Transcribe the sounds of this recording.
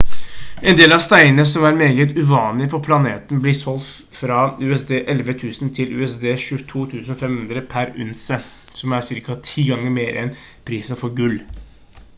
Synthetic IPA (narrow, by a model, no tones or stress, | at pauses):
ʔɛnd̪eːlɑʋst̪æɪn̩əsɔmæɾmeːɡət̪ʉʋɑːnlɪpʰɔpʰlɑnḛːt̪n̩blɪsɔls | fɾɑʉːɛsd̪eːʔɛlʋət̪ʰʉːsənt̪ʰɪlʉ̰ːɛsd̪eːʃʉt̪ʰuːt̪ʰʉːsənɔfɛmhʉnd̪ɾəpʰæɾʉ̰nsə | sɔmæɾsɪɾkɑt̪ʰiːɡɑŋːəɾmeːɾʔɛ̰n | pʰɾiːsənfɔɾɡʉlː